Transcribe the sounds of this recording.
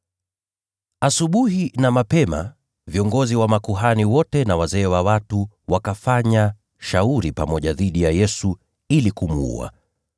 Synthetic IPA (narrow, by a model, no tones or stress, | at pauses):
asuɓuhinamapɛma̰ | viɔŋɡɔziwamakuɦaniwɔtɛnawazɛːwawatu | wakafaɲa | ʃauɾipamɔʄaðiɗijajɛsu | ilikumuṵa̰